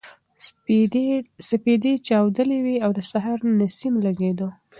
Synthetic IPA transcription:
saped̪et͡ʃawd̪əlewiawd̪əsaɦaɾnasimlaɡed̪o

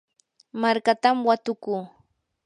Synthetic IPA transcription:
maɾkat̪amwat̪ʊkuː

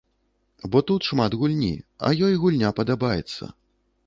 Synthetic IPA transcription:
bɔt̪ut̪ʂmat̪ɣulʲnʲḭɐ̰jɔjɣulʲnʲapɐd̪abajɛt̪sːɐ̰

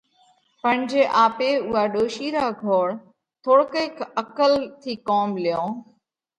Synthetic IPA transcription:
pə̃ɪ̃ɲd͡ʑeːʔaːpeːʊɦaːɗoːʃiːɾaːɡʱoːɽ | t̪ʰoːɽkeːkʰəkəlt̪ʰiːkoːmlɪjõː

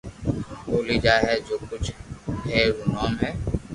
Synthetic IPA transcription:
oːliːd͡ʒaːɦɛːd͡ʒoːkʊt͡ʃʰɦɛːɾuːnaːmɦɛː

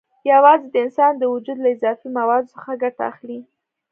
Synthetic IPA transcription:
jawɑzed̪əɪnsɑnd̪əwʊd͡ʒud̪laɪzɑfimawɑd̪ʊsəxaɡaʈa̰ːxli

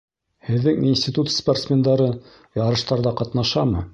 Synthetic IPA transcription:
hɘ̆ðːɘŋinʲsʲtʲit̪ut̪sport̪smʲend̪ɑɾɤ | jɑɾɤ̆ʃt̪ɑɾðɑqɑt̪nɑʃɑmɤ̰

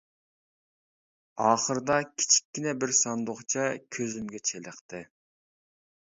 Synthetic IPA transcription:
ɑːχəɾd̪ɑkʲʰi̥t͡ʃʰi̥kʲːinɛbɪɾsɑnd̪oχt͡ʃʰɑkʲʰøzymɡʲɛt͡ʃʰelˠəχt̪ɨ

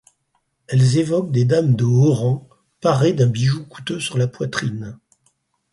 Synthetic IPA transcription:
ɛlzevɔk̚d̪ed̪amd̪əɔʁɑ̃ | paʁed̪ɛ̃biʒuku̥t̪øsyʁlapwat̪χin

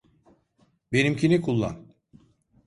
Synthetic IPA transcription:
be̞nimcʰinikʰulˠːa̰n

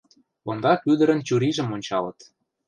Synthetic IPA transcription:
ond̪ɑkyd̪ə̆ɾə̆nt͡ɕuɾiʒə̆monʲt͡ɕɑlə̆t̪

